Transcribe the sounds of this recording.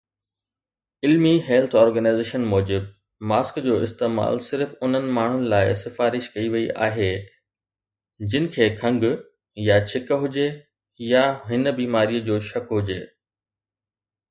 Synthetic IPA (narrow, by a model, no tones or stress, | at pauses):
ɪlmiɦeːlt̪ʰɔːɾɡənaɪzeːʃənmɔːd͡ʑɪb | maːskd͡ʑoːɪst̪eːma̰ːlsɪɾfʊn̤ənɪ̆maːɳ̤ʊnɪ̆laːɪsɪfaːɾɪʃkɐiʋɐiʔa̰ːɦeː | d͡ʑɪnɪ̆kʰeːkʰɐ̃ŋɡ | jat͡ɕʰɪkɦʊd͡ʑe | jaɦɪnə̆biːmaːɾijəd͡ʑoːʃɐkɦʊd͡ʑeː